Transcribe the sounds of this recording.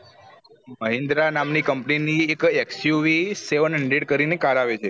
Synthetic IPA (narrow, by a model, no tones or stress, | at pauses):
məɦĩnd̪ɾanamnikəmpniniekeksjuʋiseʋənɪɳɖeʈ̚kəɾinekaɾaʋet͡ʃʰe